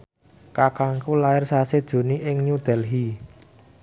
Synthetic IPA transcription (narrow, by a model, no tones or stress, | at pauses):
kakaŋkulaɪrsased̥ʒ̥o̤niʔɪŋɲud̪̥ɛ̤lɦi